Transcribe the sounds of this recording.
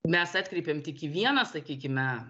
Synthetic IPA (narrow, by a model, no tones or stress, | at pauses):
mʲɛsɑːt̪ʲkɾʲɛɪpʲemt̪ʲɪkʲɪʋʲiɛnɐsɐkʲiːkʲɪmʲɛ